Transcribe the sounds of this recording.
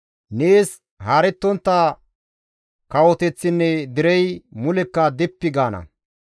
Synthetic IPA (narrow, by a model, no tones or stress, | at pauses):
neːs | haɾɛt̪ːɔnt̪ːɐ | kɐwɔt̪ɛt͡sːɪnːɛd̪ɪɾɛjmʊlɛkːɐd̪ɛpːɪɡaːnɐ̰